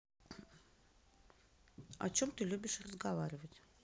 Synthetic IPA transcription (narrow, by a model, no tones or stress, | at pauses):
a̰t͡ɕomt̪ɨlʲubʲɪʃrəzɡavaɾʲɪvətʲ